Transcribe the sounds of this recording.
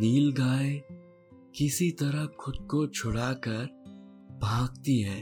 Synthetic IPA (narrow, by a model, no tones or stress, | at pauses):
niːlɡaːe | kɪsit̪ɐɾəɦkʰʊd̪̚kot͡ʃʰʊɽaːkɐəɾ | bʱaːɡt̪iɦɛ̃ː